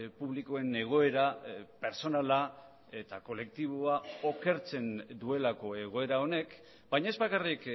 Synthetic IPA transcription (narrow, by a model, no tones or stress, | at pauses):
puβlikoe̞ne̞ɣ̞o̞e̞ɾape̞ɾso̞nala | e̞t̪ako̞le̞k̚t̪iβ̞oao̞ke̞ɾt͡se̞nd̪ue̞lako̞e̞ɣ̞o̞e̞ɾao̞ne̞k | bajɲae̞zbakarik